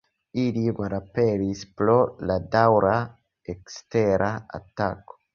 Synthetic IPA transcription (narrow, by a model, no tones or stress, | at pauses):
ilimalapeɾispɾo̞ladawɾa | eksteɾʔaa̰tako̥